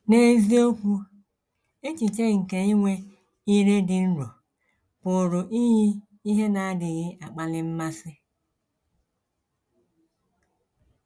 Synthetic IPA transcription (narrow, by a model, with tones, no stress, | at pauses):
ne˨zi˦o˦kʷu˦ | t͡ʃi˨t͡ʃe˦ŋ̩˨ke˨i˦ŋʷe˦ | i˦ɾe˦dɪ˨n̩˦ɾo˨ | pʊ˨ɾʊ˨ʔi˦ɦi˦ | i˦ɦe˦na˨a˦dɪ˨ɣɪ˦ʔa˨k͡pa˦lɪ˦m̩˦ma˦sɪ˦